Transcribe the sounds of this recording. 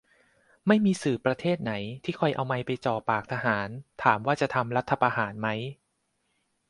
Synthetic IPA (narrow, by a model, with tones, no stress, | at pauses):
ma˥˩jmiː˧sɯː˨˩pɾa˧t̪ʰeː˥˩t̪̚na˩˦jt̪ʰiː˥˩kʰɔ˧jʔa̰˧wma˧jpa˧jt͡ɕɔː˨˩pːaː˨˩k̚t̪ʰa˧ɦaː˩˦nt̪ʰaː˩˦mwaː˥˩t͡ɕa˨˩t̪ʰa˧mɾa˦˥t̪ʰːa˧pa˧ɦaː˩˦nma˦˥j